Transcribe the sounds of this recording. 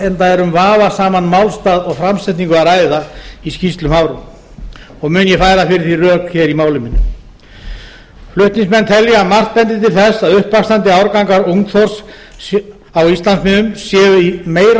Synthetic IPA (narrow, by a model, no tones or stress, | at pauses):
ɛnt̪aɛɾʏmvaːvasaːmanmawlst̪aːðɔɣfɾamsɛt̪niŋkʏaɾaːjðaiscist̪lʏmhaːwɾʏm | ɔɣmʏnjɛfaːjɾðafɪɾɪɾ̥θirœːkçɛːɾimaːwlɪmɪnːʏ | flʏht̪niŋsmɛnt̪ʰɛljamar̥t̪̚pɛnt̪ɪt̪ɪlθɛsːaðʏhpakst̪ant̪ɪawɾkawŋkaɾuŋkθɔr̥s | awist̪lansmɪnʏmsjɛːvʏimeːjɾ